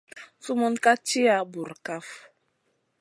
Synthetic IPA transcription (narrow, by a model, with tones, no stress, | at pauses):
su˦mɔ˦nka˦t͡ʃi˦a˦bu˨ɾka˦f